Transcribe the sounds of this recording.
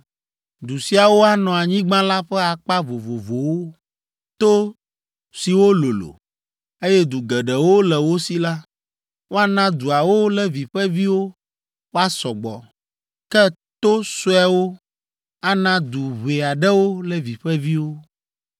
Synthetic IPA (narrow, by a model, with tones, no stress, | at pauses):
d̪u˨si˦a˨wo˦a˦nɔ̃˨a˨ɲĩ˦ɡ͡bã˦la˦ɸɛ˦a˨k͡pa˦vo˨vo˨vo˨wo˦ | t̪o˦ | si˨wo˦lo˨lo̰˨ | e˦jɛ˦d̪u˨ɡɛ˨ɖɛ˨wo˦lɛ˨wo˦si˨la˦ | wo˦a˦nã˦d̪u˨a˨wo˦lɛ˦vi˨ɸɛ˦vi˦wo˦ | wo˦a˦sɔ˨ɡ͡bɔ̰˨ | kɛ˦ | t̪o˦so˦ɛ˨˦wo˦ | a˦nã˦d̪u˨βe˨a˨ɖɛ˦wo˦lɛ˦vi˨ɸɛ˦vi˦wo˦